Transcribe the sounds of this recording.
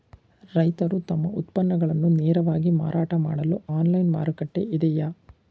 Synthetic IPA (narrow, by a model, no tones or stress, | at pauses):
ɾɐjt̪ɐɾut̪ɐmːɐʔut̪pɐnːɐɡɐɭɐnːuneːɾɐʋaːɡima̰ːɾʔaːʈɐmaːɽɐluaːnlɐjnmaːɾukɐʈːeʔid̪ɛjɐ